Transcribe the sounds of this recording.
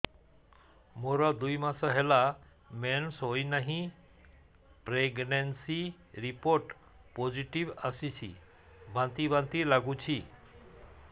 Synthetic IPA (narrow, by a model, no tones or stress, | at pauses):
moɾɔd̪ujmasɔɦela | mensɦojnaɦĩ | pɾeɡnensi | ɾipoɾʈ | pod͡ʒiʈiʋasit͡ʃʰḭ | bʱãnt̪ibʱãnt̪ilaɡut͡ʃʰi